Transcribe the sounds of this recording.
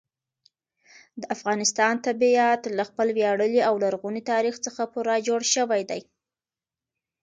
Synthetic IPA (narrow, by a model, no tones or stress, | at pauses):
d̪əʔafɣɑnɪst̪ɑnt̪abiat̪laxpəlwjɑɽəliawlaɾɣunit̪ɑɾixt͡səxapuɾɑd͡ʒoɽʃəwajd̪aj